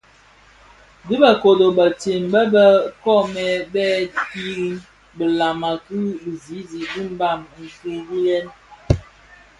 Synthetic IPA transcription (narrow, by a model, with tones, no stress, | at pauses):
di˦bə˨ko˨do˨bə˨te˨m˨bə˦bə˦kɔ˦˨mɛ˨bɛ˦ki˦ɾi˦n | bə˨la˨ma˨kɨ˦i˨zi˨˦zi˨di˦m̩˦ba˦˨m˨ŋ̩˨ke˦di˦lɛ˦n